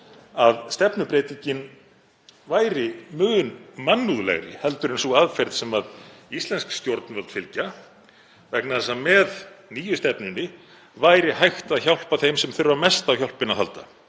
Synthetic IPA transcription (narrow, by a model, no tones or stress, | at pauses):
aðst̪ɛpnʏpɾeːjt̪iɲcɪn | vaːjɾɪmʏːɣʏnmanːuðlɛ̰ɣɾɪ̰hɛl̪t̪ʏɾɪnsuɣaðfɛɾt̪sɛmaðist̪lɛnskst̪jowɾt̪nvœlt̪fɪlca | vɛknaðɛsamɛðniːjʏst̪ɛpnʏnːɪ | vajɾɪhajxt̪aðçawl̥paθejmsɛmθʏɾvamɛst̪awçjawl̥pɪnːaðɦa̰lt̪a̰